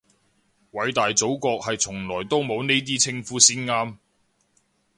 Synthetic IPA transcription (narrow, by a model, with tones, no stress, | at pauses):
wɐ˨˧jt̪aː˨jt͡so˨˥wkɔː˧k̚hɐ˨jt͡sʰʊ˨˩ŋlɔː˨˩jt̪o˥wmo˨˧wne˥jt̪̬iː˥t͡sʰɪ˧ŋfuː˥siː˥nŋaː˥m